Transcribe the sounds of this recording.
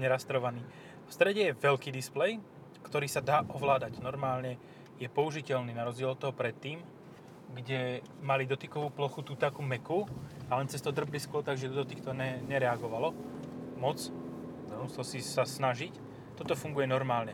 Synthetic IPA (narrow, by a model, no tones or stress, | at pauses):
ɲɛɾast̪ɾɔʋaniː | fst̪ɾɛɟɛjɛʋɛlkiːd̪isplɛj | kt̪ɔɾiːsad̪aːʔɔʋlaːd̪aɟnɔɾmaːlɲɛ | jɛpɔuʒicɛlniːnaɾɔzɟɪɛlɔt̪ɔɦɔpɾɛt̪ːiːm | ɡɟɛ | malid̪ɔt̪ikɔʋuːplɔxut̪uːt̪akumɛkualɛnt͡sɛst̪ɔd̪r̩bliskʊɔɾt̪aɡʒɛd̪ɔd̪ɔt̪ikt̪ɔɛɲɛɾɛaɡɔʋalɔmɔt͡s̪ | musɛlsisasnaʒic | t̪ːɔt̪ɔfuŋɡujɛnɔɾmaːlɲɛ